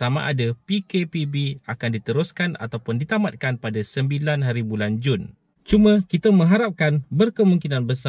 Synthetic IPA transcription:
samã̰ʔadapikepibiakandit̪əɾʊskana̰t̪awpʊndit̪amat̪̚kanpadasəmbilanɦaɾibuland͡ʒun | t͡ʃumãkit̪amə̃ŋɦaɾap̚kanbərkəmũŋkinãnbəsa

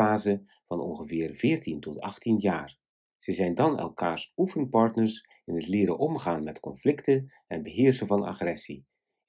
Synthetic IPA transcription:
aːzə | vɑnɔ̰nχəvɪːrvɪːɹtintɔtɑ̰χtinjaːr | z̥əzɛjndɑnɛ̰lˠkaːɹsufənpɑɹtnəɹs | ɪnətlɪːɾə̰nʔɔmχaːnmɛtkɔnflɪktə | ɛnbəɦɪːɹsəvɑna̰χrɛsi

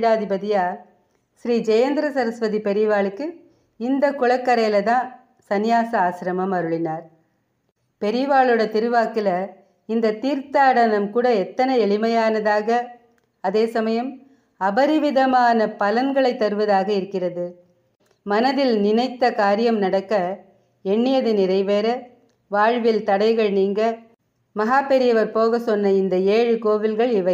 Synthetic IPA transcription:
ɽaːðɪbɐðɪjaː | ʃɾiːd͡ʒɐjɐnd̪ɪɾɐsɐɾɐsʋɐðipɛɾɪʋaːɭɯkːɯ | ɪnd̪ɐkːʊɭɐkːɐɾɐjlɐðãː | sɐnɪjaːsɐaːsɪɾɐmɐmɐɾɯɭɪnaːɾ | pɛɾɪʋaːɭɯɽɐt̪ɪɾɯʋaːkɪlɐ | ɪnd̪ɐt̪iːɾt̪aːɽɐnɐmkuːɽɐɛt̪ːɐnɐɛɭɪmɐjaːnɐðaːɣɐ | ɐðeːsɐmɐjɐm | ɐbɐɾɪʋɪðɐmaːnɐpɐlɐnɡɐɭɐɪt̪ːɐɾɯʋɐðaːɣɐɪɾɯkːɪrɐðɯ | mɐnɐðɪlnɪnɐɪt̪ːɐkaːɾɪjɐmnɐɽɐkːɐ | ɛɳːɪjɐðɯnɪrɐɪʋeːɾɐ | ʋaːɻʋɪlt̪ɐɽɐɪɣɐɭniːŋɡɐ | mɐɦaːpɛɾɪjɐʋɐɾpoːɣɐsɔnːɐɪnd̪ɐeːɻɯkoːʋɪlɣɐɭɪʋɐɪ

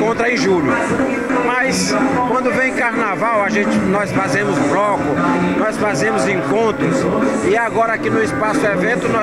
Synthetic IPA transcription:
kõnt̪ɾɐẽj̃ʒuʎʊ | mɐjswɐ̃nd̪ʊvẽj̃kaɾnavawaʒẽt͡ʃɪnɔsfazẽmʊzblɔkʊnɔjsfazẽmʊzẽŋkõnt̪ɾʊsɪaɡɔɾɐakinʊɪspasʊɛvẽnt̪ʊnɔ

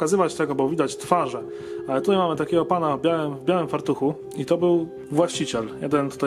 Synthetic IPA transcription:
kazɘvat͡ɕt̪ɛɡɔbɔvʲid̪at͡ɕt̪faʐɛ | alɛt̪ut̪ajmamɘt̪akʲɛɡɔpanavbʲjawɘmvbʲjawɘmfaɾt̪uxu | it̪ɔbɘw | vwaɕt͡ɕit͡ɕɛljɛd̪ɛnt̪u̥t̪aj

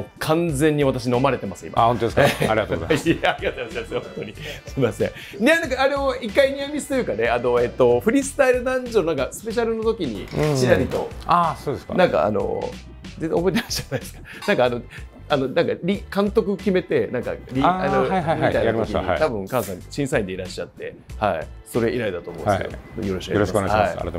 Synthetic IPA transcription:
kʰãnd͡zẽ̞ɲ̟ːiβ̞at̪aɕ̬ino̞maɾe̞t̪e̞masɨ̃ḭmaõtod̪eskeaɾiat̪oozaaɾiɡat̪ojmasemsɨhõnt̪o̞ɲisɨmasẽ | nenãŋkaːɾe̞oikːaiɲʲiamʲisɨ̥t̪o̞jɯ̟kane̞ano̞e̞t̪ːo̞ɸɯ̟ɾʲisɨ̥t̪aiɾɯ̟nãɲd͡ʑoːnãŋkasɨ̥pe̞ɕaɾɯ̟no̞t̪o̞kʲiɲ̟ḭ̃ɕiɦaɾʲit̪o̞̰asoːd̪eska̰nãŋka̰a̰no̰ | d͡zezobo̞it̪eɾaɕanːaesɨ̥kḁ | nãŋkaːno̞ | ano̞nãŋkaɾʲikãnt̪o̞kɯ̟kʲime̞t̪e̞nãŋka̰ɾʲianoajɦaaitainɾakḭit̪abɯ̟̃ŋkãɰ̃sãɲɕĩɰ̃saĩɲd̪e̞iɾaɕːat̪ːe̞̰ | haḭ | so̞ɾe̞iɾaid̪at̪o̞ːmõ̰sḭo̰joɾoɕikɾjoakohaai

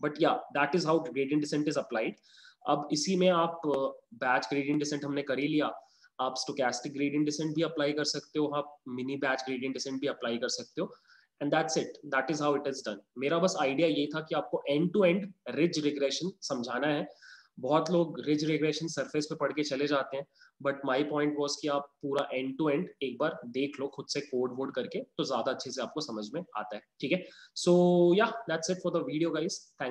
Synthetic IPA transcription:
bɐʈjaːd̪æːʈɪzɦaʊɡɾeːɖijə̃ɳʈɖɪsɛ̃ɳʈɪzɐplaːɪɖ | ɐ̰bɪsimẽaːpbæːt͡ʃɡɾiːɖijə̃ɳʈɖɪsɛ̃ɳʈɦɐmnekɐɾilijaː | aːpsʈoːkæːsʈɪk̚ɡɾiːɖiə̃ɳʈɖɪsɛ̃ɳʈ̚bʱiɐplaːɪkɐɾsɐkt̪eɦoaːp̚mɪnibæːt͡ʃɡɾeːɖijə̃ɳʈɖɪsɛ̃ɳʈ̚bʱiɐplaːikɐɾsɐk̚t̪eɦoː | ɛ̃ɳɖd̪æːʈsɪʈ̚d̪æːʈɪzɦaʊɪʈɪzɖɐ̃nmeːɾabɐsaːɪɖijajeɦit̪ʰakiaːp̚koʔɛ̃ɳɖ̚ʈuɛ̃ɳɖɾɪd͡ʒɾɪɡɾɛʃə̃nsɐ̃md͡ʒʱaːnaɦɛ | bɔɦɔt̪loːɡɾɪd͡ʒɾɪɡɾɛʃə̃nsɐɾfespepɐɽ̤ket͡ʃɐled͡ʒaːt̪eɦɛ̃bɐʈmaːipɔ̃ːɪ̃ɳʈʋɔːzkiaːpːuːɾaʔɛ̃ɳɖʈuɛ̃ɳɖeːk̚baːɾd̪eːkʰloːxʊd̪sekoːɾɖʋoːɾɖkɐɾket̪ozjaːd̪aɐtːʃʰeseaːp̚kosɐməd͡ʒʱmẽa̰ːt̪aɦɛːʈʰiːkɦɛsoːjad̪æʈsɪʈfɔɾd̪əʋiːɖijoɡaɪz̥t̪ʰɛ̃ː

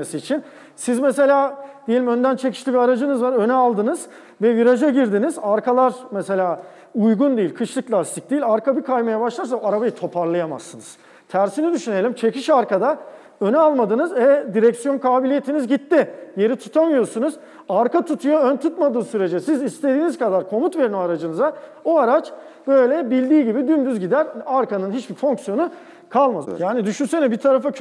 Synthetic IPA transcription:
esiːt͡ʃʰin | sizmese̞lʲaːd̪ijeimø̞nd̪ænt͡ʃʰe̞cʰi̥ʃt̪ʲiviaɾad͡ʒɯnɯzvaɾø̞nɛaːlˠd̪ɯnɯz̥ | vɛviɾad͡ʒaɟiɾd̪inizaɾkʰalˠaɾmese̞lʲaː | ujɡund̪ijːilʲkʰɯʃlˠɯklʲˠast̪ʰic̚d̪ijilʲaɾkʰabikʰajmajabaʃlˠaɾs̬aaɾabajit̪ʰo̞pʰaɾlˠajama̰sːɯnɯz̥ | t̪ʰæɾsinid̪yʃyne̞lʲimt͡ʃʰe̞ciʃaɾkad̪a | ø̞nalˠmad̪ɯnɯzɛd̪iɾɛcsjo̞nkʰaːbilʲijet̪ʰinizɟit̪ːije̞ɾit̪ʰut̪ʰamɯjo̞ɾsunuz | aɾkat̪ʰut̪ʰujo̞ønt̪ʰut̪mad̪ɯːsyɾe̞d͡ʒɛsizist̪ʰe̞d̪iːniz̥kad̪aɾkʰo̞mut̪ve̞ɾinoaɾad͡ʒɯnɯzaoaɾat͡ʃ | b̥øjlʲɛbilʲd̪iːɟibid̪ynd̪yzɟid̪æɾaɾkanɯnɦit͡ʃbifo̞ŋksjo̞nu | kʰalˠmad̪ɯ̰jaːnid̪yʃynsenɛbit̪ʰaɾafa

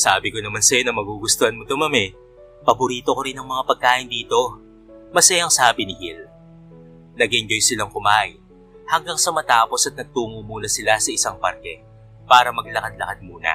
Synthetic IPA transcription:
saːbɪko̞nɐmansɐjo̞nɐmɐɡuɡʊst̪ohɐnmot̪omɐmɛ | pɐbʊɾiːt̪o̞ko̞ɾɪnɐŋmɐŋapɐɡ̚kaːʔɪnd̪iːt̪o̞ | mɐsɐjɐŋsaːbɪnɪhil | nɐɡɪnd͡ʒojsɪlaŋkʊmaj | hɐŋɡaŋsɐmɐt̪aːpo̞sɐt̪̚nɐɡ̚t̪uːŋumuːnɐsɪlasɐʔɪsaŋpɐɾkɛ | paːɾɐmɐɡlɐkɐd̪lɐkɐd̪̚muːnɐ̰

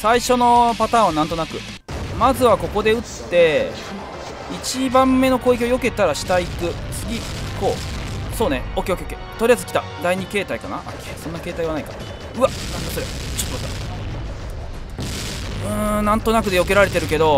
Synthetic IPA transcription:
saiɕo̞no̞pat̪ãːɰ̃βanãnt̪o̞nakɯ̟ | mazɨβako̞ko̞d̪e̞ɯ̟t͡sɨ̥t̪ːe̞ | it͡ɕibãmːe̞no̞ko̞ːik̬ʲiojo̞ke̞t̪aɾaɕi̥t̪aikɯ̟t͡sɨɡʲiko̞ːsoːne̞okʲeokeoket̪oɾʲiazɨ̥kʲi̥t̪ad̪aiɲ̟ike̞ːt̪aikana̰ʔa̰kʲesõ̞nːake̞ːt̪aiβanaika̰ | ɯ̟anãnd̪asoɾet͡ɕot̪ːomat̪ːa̰ | ɯ̟̃ːnãnt̪o̞nakɯ̟d̪e̞joke̞ɾaɾe̞t̪e̞ɾɯ̟ke̞d̪o̞

